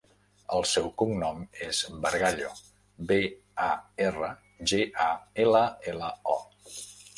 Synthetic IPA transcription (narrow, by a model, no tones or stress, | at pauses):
əlˠsɛwkuŋnɔmezbəɾɣaʎo | be | aerə | ʒeʔaeləeləɔ